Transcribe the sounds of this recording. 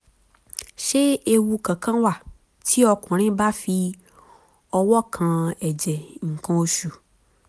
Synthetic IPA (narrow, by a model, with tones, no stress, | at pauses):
ʃe˦e˦wu˦kã˨kã˦wa˨ | t̪ʰi˦ɔ˨kɔ̃˨ɾ̃ĩ˦ba˦fi˦ | ɔ˨wɔ˦kʰã˨ɛ˨d͡ʒɛ˨ŋ̩˨kɔ̃˦wo˦ʃu˨